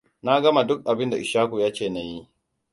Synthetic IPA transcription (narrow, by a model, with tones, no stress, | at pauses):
na˦ɡɐ˦ma˨dʊ˦k̚ʔa˨bɪ˦nda˨ɪ˨ʃaː˦ku˨jaː˦t͡ʃeː˨na˨ji˦